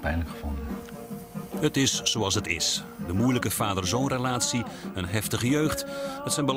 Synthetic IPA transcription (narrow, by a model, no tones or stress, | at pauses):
pɛjnəkχəvɔndən | ɦətɪsːoɑlˠs̬ɦətɪ̰s | dəmujləkəfaːdərzownrəlaːtsiənɦɛftəχəjøːχthətsɛnbəl